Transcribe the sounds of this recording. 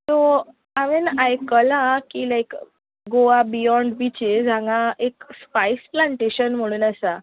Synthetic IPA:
t̪o | aminajkəlãkiːlajk | ɡoabijɔ̃ɳɖbit͡ɕed͡zʱãŋɡaekspajsplãɳʈeɕənm̤əɽ̃uːnasa

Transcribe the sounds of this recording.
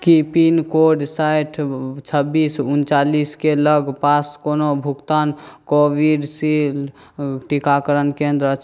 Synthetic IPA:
kipinkoɖsajʈʰt͡ʃʰəbːisunt͡ʃaliskeləɡpaskonobʱukt̪ankobiɖsil | ʈikakəɾənkend̪ɾət͡ʃʰ

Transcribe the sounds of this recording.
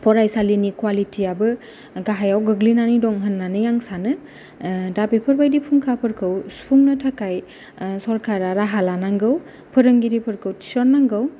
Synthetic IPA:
pʰɔɾajsalinikwalitʰiabɯ | ɡaɦajawɡɯɡlinanidɔŋɦənːanɯjaŋsanɯ | dabepʰɯɾbajdipʰuŋkʰapʰɯɾkʰɯwsu̥pʰuŋnɯtʰakaj | sɔɾkʰaɾaɾaɦalanaŋɡɯw | pʰɯɾɯŋɡiɾipʰɯɾkʰɯwtʰi̥sɔnːaŋɡɯw

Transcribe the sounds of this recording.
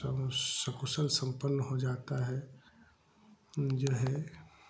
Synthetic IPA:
səkusəlsə̃mpənːəɦod͡ʒaːt̪aɦɛ | d͡ʒoɦɛ

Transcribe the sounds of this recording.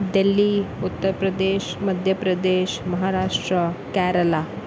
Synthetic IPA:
d̪ilːiut̪ːəɾpɾəd̪eːɕməd̪ʱjəpɾəd̪eɕmɐɦaɾaʂʈɾəkæɾəla

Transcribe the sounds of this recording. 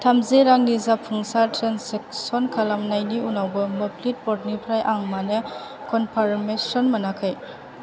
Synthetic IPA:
tʰamzeɾaŋnizapʰːuŋsaɾtʰɾenseksɔnkʰalamnajniunawbɐmɔpʰlit̚pɔt̚nipʰɾajʔaŋmanekɔnpʰaɾmesɔnmɐnakʰɯj

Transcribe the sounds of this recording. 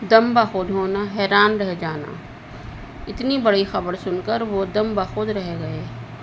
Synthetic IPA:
d̪ɐmbaxʊd̪ɦoːnaɦɛːɾaːnɾɛɦd͡ʒaːna̰ | ɪt̪nibɐɽixɐbəɾsʊnkəɾʋod̪ɐ̃mbaxʊd̪ɾɐɦɡɐeː

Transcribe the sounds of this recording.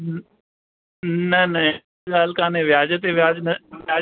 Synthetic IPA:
nɐnɐ | ɡaːlkãːnẽːʋjaːd͡ʒət̪eʋjaːd͡ʒnɐʋjaː

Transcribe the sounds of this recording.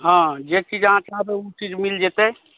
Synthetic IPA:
ɦãd͡ʒet͡ʃid͡ʒaɦãt͡ʃabeut͡ʃid͡ʒmild͡ʒet̪ɛ

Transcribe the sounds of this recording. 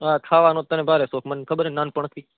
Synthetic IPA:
aːkʰaːʋanoːt̪ənẽbʱaːɾesoːkʰmənkʰəbəɾenaːnpəɳkʰi

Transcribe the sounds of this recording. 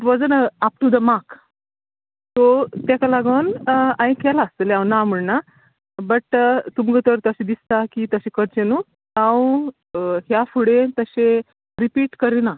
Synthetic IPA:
ʈʋɔd͡zənaap̚ʈud̪əmak | t̪ot̪akalaɡəwnaj̃kɛlaəsleãwnam̤əɽna | bəʈt̪umɡət̪əɾt̪əɕẽd̪ist̪akit̪əɕekəɾt͡ɕenu | awũ | ɦjafuɽet̪əɕe | ɾipiːʈkəɾina

